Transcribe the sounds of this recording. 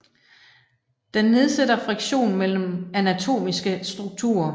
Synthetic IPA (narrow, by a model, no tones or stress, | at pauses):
d̥enːe̝ð̞ˠsedɐfʁiɡ̥ɕo̝̰ːn̩mel̰m̩ænæt͡sʰo̝̰ːmisɡ̥əsd̥ʁuɡ̥̚t͡sʰṵɐ